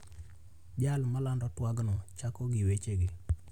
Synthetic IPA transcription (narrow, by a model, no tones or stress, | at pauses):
d͡ʒalmalandɔtwaɡnɔt͡ʃakɔɡiwet͡ʃeɡi